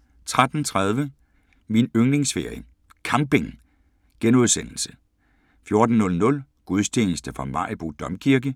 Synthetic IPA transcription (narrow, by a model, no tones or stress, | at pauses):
t͡sʰʁad̥n̩t͡sʰʁað̞ˠʋə | minøŋle̝ŋsfe̝̰ɐ̰i | kʰɑ̈mb̥e̝ŋ | ɡ̥enuðˠsen̰l̩sə̥ | fjo̝ɐd̥n̩nːɔ̽lnɔ̽l | ɡ̥uð̞ˠst͡ɕʰe̝̰ːnəsd̥əfʁɒmɑ̈ɪ̰b̥ʁud̥ɒ̽mkʰiɐɡ̥ə